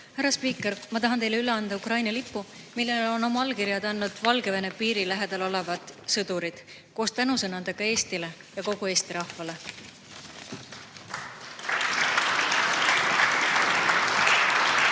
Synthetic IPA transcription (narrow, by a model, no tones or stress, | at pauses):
hæɾɑspiːkːˑeɾmɑt̪ɑɦɑnt̪e̞jleyleɑnd̪̥ɑukrɑjnɑlipːu | milːelo̞no̞mɑɑlkiɾjɑd̪ɑnːud̪̥vɑlɡe̞vene̞piːɾilæɦe̞d̪̥ɑlo̞le̞vɑd̪̥sɤd̪̥uɾid̪̥ | ko̞ːst̪ænusɤnɑnd̪eɡ̥ɑe̞ːst̪ile | jɑko̞ɡ̥ue̞ːst̪iɾɑhvɑle̞